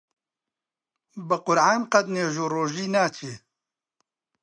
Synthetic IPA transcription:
bəqʊɾʕaːnqɐd̪neːʒoːɾoːʒiːnaːt͡ʃʰeː

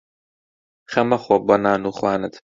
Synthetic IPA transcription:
xɐmɐxɔbɐnaːnuːxwaːnɨt̪

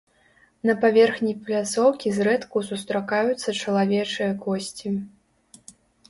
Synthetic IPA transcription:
nɐpavʲɛrxnʲijplʲat̪sɔwkʲizɾɛt̪kusust̪ɾakajut̪sːɐt͡ʂɐlˠavʲɛt͡ʂɨjɐkɔsʲt͡sʲi

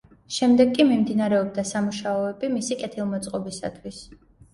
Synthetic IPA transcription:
ʃɛmd̪ɛɡːʼimimd̪inaɾɛɔb̚d̪asamuʃaɔɛbimisikʼɛt̪ʰilˠmɔt̪sʼqʼɔbisa̰t̪ʰwis

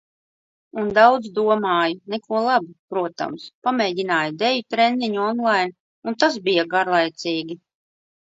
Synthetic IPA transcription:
und̪awd̪zd̪uɔmaːjunɛkuɔlˠabipɾuɔt̪a̰mspamɛːɟʲinaːjd̪ɛjut̪ɾɛnːiɲuɔnlˠajn | unt̪asbijaɡaɾlˠajt̪siːɡʲi

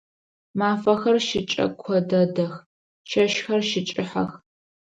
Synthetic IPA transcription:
maːfɐxɐrʃɪt͡ʃʼɐ̰kʷʰɔdɐdɐx | ʃɐʃxɐrʃɪt͡ʃʼɪħa̰x

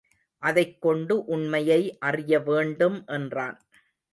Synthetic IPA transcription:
ʔɐðɐɪkːɔɳɖɯʔʊɳmɐjɐɪʔɐrɪjɐʋeːɳɖɯmʔɛndraːn

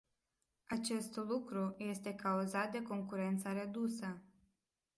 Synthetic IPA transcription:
at͡ʃe̞st̪lukɾuje̞st̪e̞kauzat̪̚d̪e̞ko̞ŋkuɾe̞nt̪səɾe̞d̪usə

